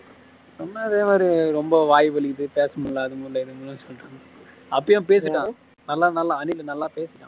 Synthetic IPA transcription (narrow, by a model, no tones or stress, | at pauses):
sɔnːaːɪðeːmaːɾiɾɔmbɐʋaːjʋɐɭɪkːɪʈ̪ːɯpeːsɐmʊɭːaːðɯmʊɭːɐɪɾɯnd̪ɯnɯnsɔlːʈːaːŋɡɐ | ɐpːɐjãːpeːsɯʈːãː | nɐlːãːnɐlːaːɐnɪlɐnɐlːaːpeːsɯ̥ʈːã̰ː